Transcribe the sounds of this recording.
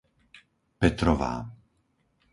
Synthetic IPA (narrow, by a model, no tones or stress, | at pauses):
pɛt̪ɾɔʋa̰ː